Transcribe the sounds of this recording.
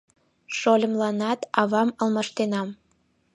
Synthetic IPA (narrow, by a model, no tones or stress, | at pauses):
ʃolʲə̆mlɑnɑt̪ɑβɑməlmɑʃt̪enɑm